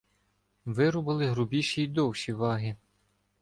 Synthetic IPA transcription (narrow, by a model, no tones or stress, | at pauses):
ʋɪɾʊbɐlˠɪɦɾʊbʲiʃijd̪ɔwʃiʋɑɦɪ